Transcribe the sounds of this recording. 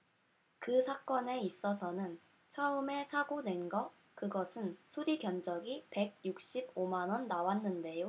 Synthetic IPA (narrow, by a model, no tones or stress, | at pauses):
kɯsʰak͈ʌne̞is͈ʌsʰʌnɯn | t͡ɕʰʌɯme̞sʰaɡonwe̞nɡʌ | kɯɡʌsʰɯnsʰuɾiɡjʌnd͡ʑʌɡipe̞ɡ̚juk̚ɕ͈ibomanwʌnːawanːɯnde̞jo